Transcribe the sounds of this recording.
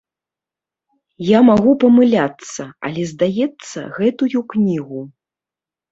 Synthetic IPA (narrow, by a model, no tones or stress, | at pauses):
jamaɣupɐmɨlʲat̪sɐɐ̰lʲɛzd̪ajɛt̪sːɐ̰ɣɛt̪ujuknʲiɣu